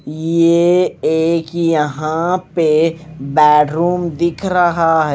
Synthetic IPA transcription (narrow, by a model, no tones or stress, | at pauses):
jjeeːkjɐɦãpebɛːɖɾuːmd̪ɪkʰɾɐɦaɦɛ